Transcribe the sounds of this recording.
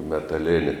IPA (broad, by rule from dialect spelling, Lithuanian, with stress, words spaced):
mʲɛtɐˈlʲeːnʲɪ